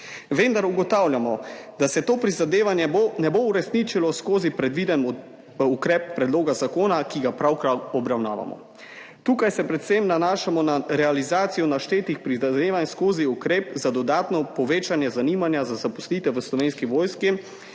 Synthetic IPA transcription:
ʋend̪aɾuɡɔt̪aːwljamɔd̪asɛt̪oːpɾizad̪eːʋanjɛnɛbouɾɛsnit͡ʃilɔskoːzipɾɛd̪ʋid̪ɛn | ukɾɛːp̚ːɾɛd̪loːɡazakoːnakiɡapɾawkɾaɔbɾawnaːʋa̰mɔ̰ | t̪uːkajsɛpɾɛt̪semnanaːʃamɔnaɾɛalizaːt̪sijɔnaʃt̪eːt̪ixpɾizad̪eːʋanskoːziukɾeːpzad̪ɔd̪aːt̪nɔpɔʋeːt͡ʃanjɛzaniːmanjazazapɔslit̪ɛʋəslɔʋeːnskiʋoːjski

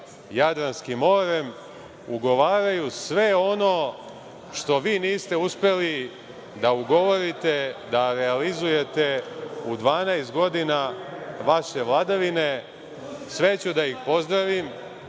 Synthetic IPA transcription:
jad̪ɾanskimːo̞ɾe̞m | uɡo̞ʋaːɾajusʋe̞o̞no̞ | ʃt̪o̞ʋiːniːst̪e̞uspe̞li | d̪auɡo̞ʋo̞ɾit̪e̞d̪aɾealizuje̞t̪e̞ud̪ʋaːnajst̪̚ɡo̞d̪inaʋaʃe̞ʋlˠad̪aʋine̞ | sʋe̞t͡ɕud̪aixpo̞zd̪ɾaʋim

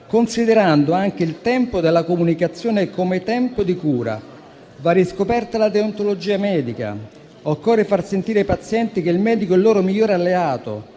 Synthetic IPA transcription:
konsid̪eɾand̪oaŋk̟eilt̪ɛmpod̪elːakomunikat̪sːjoːnekomet̪ɛmpod̪ikuːɾa̰ | vaɾiskopɛrt̪alad̪eont̪olod͡ʒiːamɛːd̪ika̰ | okːɔrːefarsent̪iːɾeaipat̪sːjɛnt̪ik̟eilmɛːd̪ikoilːoːɾomiʎːoːɾealːeaːt̪o̰

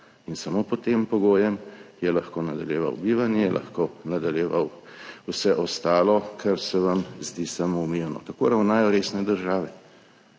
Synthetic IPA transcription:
insamopɔt̪empɔɡoːjɛmjɛlaxkoːnad̪aljeːʋa̰wbiːʋanjɛjɛlʔa̰xkonad̪aljɛʋawusɛʔɔst̪aːlɔkʰaɾsɛʋamzd̪iːsamomijanɔ̰t̪ako̰ɾawnaːjɔɾeːsnɛd̪əɾʒaːʋɛ

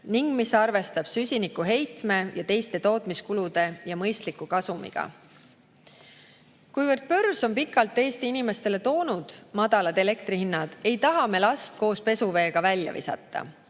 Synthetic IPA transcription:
niŋɡ̥misɑrve̞st̪ɑb̥sysʲinikːuɦe̞jt̪me̞jɑt̪e̞jst̪e̞t̪o̞ːt̪ˑmiskulud̪̥e̞jɑmɤjst̪likːukɑsumḭɡ̥ɑ̰ | kujvərd̪̚pø̞rso̞mpikːˑɑlt̪ːˑe̞ːst̪iinime̞st̪e̞le̞t̪o̞ːnud̪̥mɑd̪̥ɑlɑd̪e̞le̞kt̪rihinːɑd̪̥e̞jt̪ɑɦɑme̞lɑst̪̚ko̞ːspe̞suve̞ːɡ̥ɑvælʲjɑ̰vḭsɑ̰t̪ːɑ̰

